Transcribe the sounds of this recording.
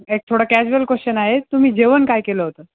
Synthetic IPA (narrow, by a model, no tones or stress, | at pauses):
ek̚t̪ʰoɽəkæd͡ʑuəlkost͡ɕənaɦet̪ːum̤iːd͡ʑeʋənkajkeləɦot̪əː